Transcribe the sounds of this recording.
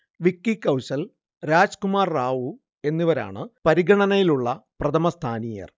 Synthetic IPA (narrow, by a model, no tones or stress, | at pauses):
ʋikːikːɐwɕɐl | ɾaːd͡ʑkumaːrːaːʋu | e̞nːiʋɐɾa̰ːɳɨpɐɾiɡɐɳɐnɐjiluɭːɐprɐt̪ʰɐmɐst̪ʰaːnijɐ̰r